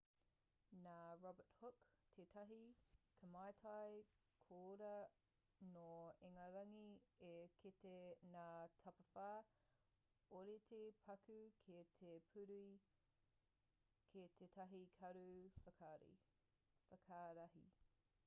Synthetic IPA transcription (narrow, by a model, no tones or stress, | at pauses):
naːɹɔbəthʊktʰetʰɐɦikʰəmɐjtʰɐj | kʰoːɾɐ | noeŋɐɾɐŋiekʰitenaːtʰɐpɐfaː | oɾetʰepʰɐkʉkʰetʰepʰʉɾui | kʰetʰetʰɐɦikʰɐɾufɐaːɾḭ | fɐkʰaːɾɐɦi